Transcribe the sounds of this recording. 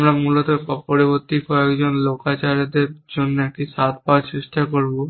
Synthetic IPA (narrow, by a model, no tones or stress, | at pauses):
mɾamuːlət̪eɔpɔɾibɔt̪ːikoekd͡ʒɔnloːkat͡ʃaɾed̪eɾd͡ʒonːakisaːt̪ʰpat͡ʃɪʃʈ̪akɔɾbo